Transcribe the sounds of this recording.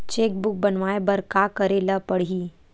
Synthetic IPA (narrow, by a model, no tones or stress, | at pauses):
t͡ʃeːkbʊk̚bənʋaebəɾkakəɾelapəɽ̤iː